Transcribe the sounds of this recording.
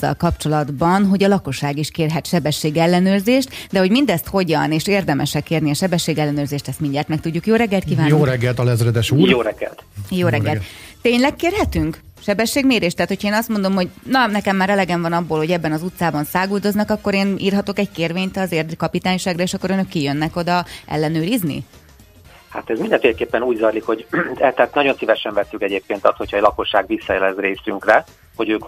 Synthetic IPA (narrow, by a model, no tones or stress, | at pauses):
zːɒ̰lkɒp̚t͡ʃo̞lɒd̪bɒnɦo̞ɟɒlɒko̞ʃːaːɡiʃkeːrɦɛt̪ʃɛbɛʃːeːɡɛlːɛnøːrzeːʃt̪d̪ɛho̞ɟmind̪ɛst̪ho̞ɟɒneːʃeːrd̪ɛmɛʃɛkːeːrniɒʃɛbɛʃːeːɡɛlːɛnøːrzeːʃt̪ɛst̪miɲɟaːt̪mɛk̚t̪uɟːukjoːɾɛɡːɛlt̪̚kiːvaːnoːɾɛɡːɛlt̪ɒlɛzrɛd̪ɛʃujoːɾɛɡɛ̰lt̪joːɾɛɡːɛlt̪t̪eːɲlɛkkeːrɦɛt̪yŋkʃɛbɛʃːeːɡmeːɾeːʃt̪aːt̪hocʰɒeːnɒst̪mo̞nd̪omho̞ɟnɒnɛkɛmːaːɾɛlɛɡɛɱvɒnɒbːoːlhoɟɛbːɛnɒzut̪saːbɒnsaːɡuld̪o̞znɒkɒkːo̞ɾeːnḭːrɦɒt̪o̞kɛɟkeːrveːɲt̪ɒzeːrd̪kɒpit̪aːɲʃaːɡrɒeːʃɒkːo̞ɾønøkːijønːɛko̞d̪ɒʔɛ̰lːɛnøːɾiznḭ | ha̰t̪ɛzmind̪ɛ̃ɱfeːlkeːpːɛnuːɟzɒjlikho̞ɟ̪ɛt̪ɛat̪nɒɟo̞nsivɛʃɛɱvɛt̪ːykɛɟeːp̚keːnt̪ɒst̪ho̞cʰhɒɛlɒko̞ʃːaːɡʋisːɒjɛlɛzreːsyŋkrɛ | ho̞ɟøːk